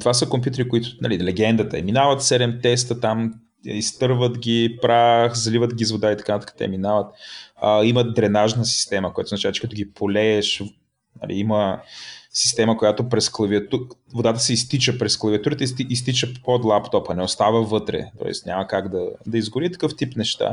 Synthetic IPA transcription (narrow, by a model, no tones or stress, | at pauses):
t̪ovasəkompjut̪̬ɛɾikoit̪ʊnɐlilɛɡɛnd̪ət̪əɛ̰minavət̪sɛɾɛmt̪ɛs̬t̪ət̪am | ist̪ɤɾvət̪ɡʲipɾaxzlivət̪ɡʲizvod̪ait̪ɐkanət̪ḁkə̥t̪ɛ̰minavət̪əiməd̪ɾɛnaʒnəsi̥st̪ɛməkojat̪oznɐt͡ʃavət͡ʃɛ̥kɐt̪ʊɡʲipʰolɛːʃv | nɐ̰lʔḭimə | si̥st̪ɛməkojat̪opɾɛsklˠɐviɐt̪uvod̪at̪ə̥sɛist̪it͡ʃəpɾɛsklˠɐviɐt̪uɾit̪əiis̬t̪it͡ʃəpod̪lˠapt̪ɔpɐnɛost̪avəvɤt̪ɾɛ̰t̪ɔ̰ɛ̰st̪nʲa̰mɐkaɡd̪ɐd̪ɐizɡʊɾit̪ɐ̥kɤft̪ipnɛʃt̪a̰